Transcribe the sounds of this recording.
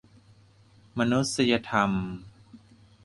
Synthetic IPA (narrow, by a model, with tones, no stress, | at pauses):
ma˧nu˦˥t̪̚sa˧ja˧t̪ʰa˧m